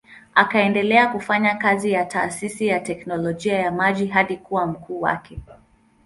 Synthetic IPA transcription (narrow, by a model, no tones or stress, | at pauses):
akaɛndɛlɛakufaɲakazijata̰ːsisijatɛknɔlɔʄiajamaʄiɦaɗikuwam̩kʰuːwa̰kʰɛ